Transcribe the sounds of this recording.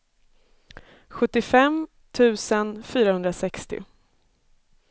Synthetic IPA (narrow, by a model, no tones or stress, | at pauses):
ɧɵt̪ːɪfɛm | t̪ʰʉ̟ːsənfyːɾahɵnd̪ɾasɛkst̪ɪ̰